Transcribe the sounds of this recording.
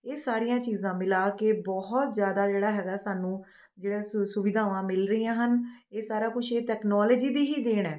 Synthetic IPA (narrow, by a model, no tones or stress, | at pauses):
eːsaːɾɪjãːt͡ʃiːzãːmɪlaːkebɔɦɔt̪zjaːd̪aːd͡ʒeːɽaːɦɛːɡaːsaːnũː | d͡ʒeːɽeːsʊʋɪd̪ʱaːʋãːmɪlɾəiːãːɦəneːsaːɾaːkʊt͡ʃʰeːʈɛːknɔːləd͡ʒiːd̪iːɦiːd̪eːɽɛː